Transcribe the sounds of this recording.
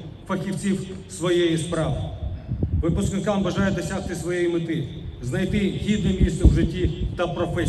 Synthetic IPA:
fɐkʲiw̪t͡sʲiwsʋɔjejispɾɑʋ | ʋɪpʊsknɪkɑmbɐʒɑjɛd̪ɔsʲaxt̪ɪsʋɔjejimɪt̪ɪ | znɐjt̪ɪɦʲid̪nɛmʲist̪ɛwʒɪtʲːit̪ɐpɾɔfɛ

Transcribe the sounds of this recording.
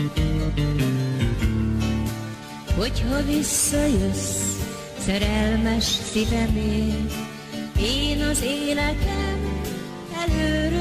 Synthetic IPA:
ho̞chɒvisːɒjøs | sɛɾɛlmɛʃsivɛmeːn | eːnɒzeːlɛt̪ɛm | ɛløːɾø

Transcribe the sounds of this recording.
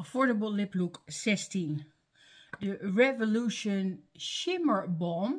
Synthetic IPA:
əfɔɹdəbəlˠlɪpluksɛstin | dəɹɛvoluʃənʃɪməɹbɔm

